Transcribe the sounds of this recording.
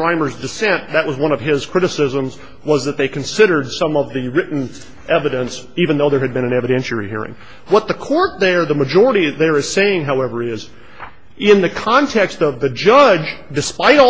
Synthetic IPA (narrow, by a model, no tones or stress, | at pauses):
ɹ̥ãɪ̃mə˞zdɨsɛ̃nðɨʔ̚wʌzwʌ̃ñʌv̥ɪz̥kʰɹ̥ɪɾɨsɪzə̃mz | wʌzðɨt̪̚ðeɪkʰn̩sɪɾə˞d̥sʌ̃mʌvðiɹɪʔn̩ | ʔɛvɨɾɨ̃nsivɨ̃nðoʊðə˞ɨd̚bɨ̃nɨ̃nɛvɨɾɛ̃nʃl̩ˠɹḭhḭɹɪ̰̃ŋ | wʌt̪̚ðɨkʰɔɹt̪̚ðə˞ðəmɨd͡ʒɔɹəɾiðə˞ɨz̥seɪɪ̃ŋɦaʊɛvə˞ɪz | ɪ̃nðɨkʰɑ̃ntʰɛkstʌvðɨd͡ʒʌd͡ʒdɨspaɪɾ